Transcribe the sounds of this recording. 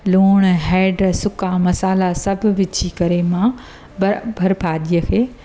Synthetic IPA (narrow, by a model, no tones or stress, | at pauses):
loːɽ̃ɦɛːɖsʊkamɐsaːlasɐbʱʊ̆ʋɪt͡ɕʰikɐɾemã | bʱɐɾɪpʰaːɗijəkʰeː